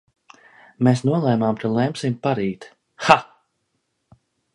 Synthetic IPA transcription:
meːsnuɔlˠɛːmaːmkalˠɛmsimpaɾiːt̪ | xa

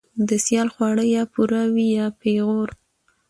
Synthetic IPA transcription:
d̪əsjɑlxwɑɽəjɑpuɾawijɑpeɣoɾ

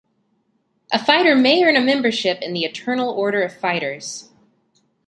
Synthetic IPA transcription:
ʔəfaɪɾə˞meɪɜ̃˞nɨmɛ̃mbə˞ʃɪpɨ̃nðiɨtʰɜ˞nl̩ˠɔɹɾə˞ʌv̥faɪɾə˞z̥

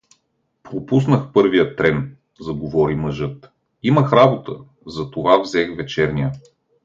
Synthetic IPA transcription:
pɾopusnəxpɤɾvijət̪ɾɛn | zɐɡovɔɾiməʒɤt̪ | iməxɾabot̪ə | zɐt̪ovavzɛxvɛt͡ʃɛɾnijə

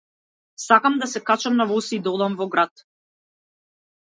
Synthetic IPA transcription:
sakamd̪asɛkat͡ʃamnavɔsid̪ɔd̪amvɔɡɾat̪

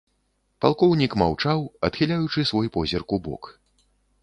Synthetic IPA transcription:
palˠkɔwnʲikmawt͡ʂawɐt̪xʲilʲajut͡ʂɨsvɔjpɔzʲɛrkubɔ̰k

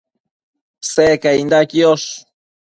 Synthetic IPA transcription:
sekaind̪akioʃ

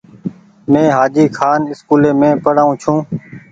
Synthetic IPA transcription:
mẽːɦaːd͡ʒiːkʰaːnɪskuːleːmẽːpəɽaːũːt͡ʃʰũː

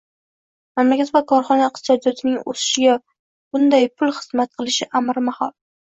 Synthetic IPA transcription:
mamlakʲat̪vakʰɒɾχɒnaːq̪sɒd̪jɒt̪ʰɪnɪŋo̰sɪ̥ʃɪɡʲa | b̥ʊnd̪ajpʰʊlˠχɨzmat̪̚qʰɨlˠɪʃɪʔamɾmahɒlˠ

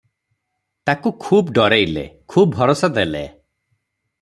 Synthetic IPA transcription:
t̪akukʰubɖɔɾejlḛkʰubbʱɔɾɔsɔd̪elḛ

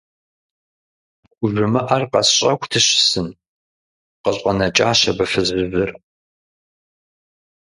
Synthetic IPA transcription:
ʊʒʷʊmɨʔarqɐsɕʼɐkʷʰtʰɨɕɪsɨn | qəɕʼɐnɐt͡ʃʼaːʃɐbɐfɨzɨvɨr

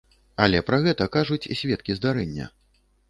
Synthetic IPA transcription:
ɐlʲɛpɾɐɣɛt̪ɐkaʐut͡sʲisʲvʲɛt̪̚kʲizd̪aɾɛnʲːɐ̰

